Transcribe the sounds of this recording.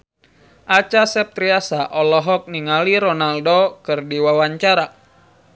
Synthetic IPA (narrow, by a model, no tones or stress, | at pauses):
ʔat͡ʃasɛp̚t̪ɾiasaʔɔlɔɦɔk̚niŋaliɾɔnaldokɨrdiwawaɲt͡ʃaɾa